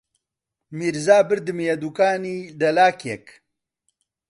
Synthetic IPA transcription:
miɾzaːbɨɾd̪ɨmeɐd̪ukaːniːd̪ɐlaːkek

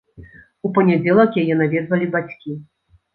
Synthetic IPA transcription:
upɐnʲad͡zʲɛlˠɐkjajɛn̪avʲɛd̪vɐlʲibat͡sʲkʲi

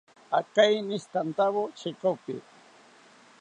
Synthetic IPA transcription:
akajnɪst̪ant̪aβot͡ʃekapɪ̰

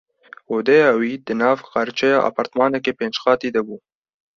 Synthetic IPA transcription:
oːd̪ɛjɑːwiːd̪ɨnɑːvqɑɾt͡ʃʰɛjɑ̰ːʔɑ̰ːpɑːɾt̪mɑːnɛkeːpeːnd͡ʒxɑːt̪iːd̪ɐbuː

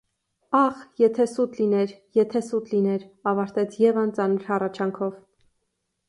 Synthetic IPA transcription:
ɑχjɛt̪ʰɛsut̪linɛɾjɛt̪ʰɛsut̪linɛɾɑvɑɾt̪ɛt͡sʰjɛvɑnt͡sɑnəɾhɑrɑt͡ʃʰɑŋkʰɔv

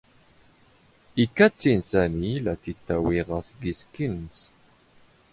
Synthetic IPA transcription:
ikːæt͡sːinsænilæθit̪ːæwiʁɑsɡiskins

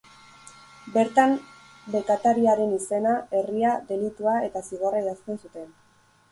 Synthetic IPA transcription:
be̞ɾt̪am | be̞kat̪aɾiaɾe̞nise̞nae̞riaðe̞lit̪uae̞t̪asiɣoraiɾast̪e̞nsut̪e̞n

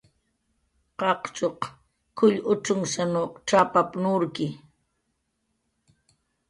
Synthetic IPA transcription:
qɑqt͡ʃoq | kʊʎʊʈ͡ʂʊŋsanoqʈ͡ʂapapnʊɾkɪ

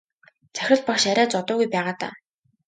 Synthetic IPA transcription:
t͡sæ̥xʲɪ̆ɮpakʃaɾʲæːt͡sɔt̪ʊːɣujpæːʁaːt̪a̰ː

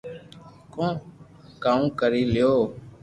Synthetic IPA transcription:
kõː | kaːũːkəɾiːlɪjoː

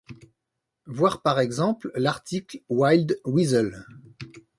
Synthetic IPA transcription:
vwaʁpaʁɛɡzɑ̃pllaʁt̪ʰiklwajld̪wizəl

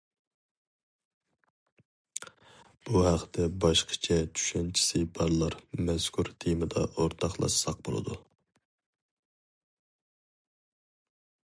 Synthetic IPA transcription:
b̥uhæqʰt̪ʰɛbɑʃqʰə̥t͡ʃʰɛt͡ʃʰy̥ʃɛnt͡ʃʰi̥sɨbɑɾlˠɑɾmɛskʰuɾt̪ʰimɨd̪ɑ̰ʔoɾt̪ʰɑχlˠɑ̰ʃsɑq̚bo̰lˠɨ̰d̪u

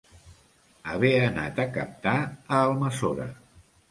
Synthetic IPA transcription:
əβ̞eəna̰t̪əkəp̚t̪aəːlˠməsoɾə̰

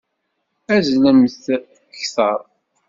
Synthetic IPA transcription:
æzlæməθ | çθəɾˤ

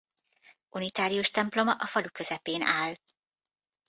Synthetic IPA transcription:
unit̪aːɾijuʃt̪ɛmplo̞mɒʔɒfɒlukø̞zɛpeːnʔaːl

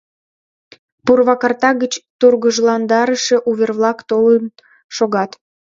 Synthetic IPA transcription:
purβɑkɑrt̪ɑɣət͡ɕt̪urɣəʒlɑnd̪ɑɾəʃeʔuβerβlɑkt̪olən | ʃoɣɑt̪

